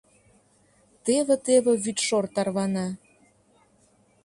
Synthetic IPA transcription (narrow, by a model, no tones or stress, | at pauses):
t̪eβĕt̪eβĕβyt̪ʃort̪ɑrβɑnɑ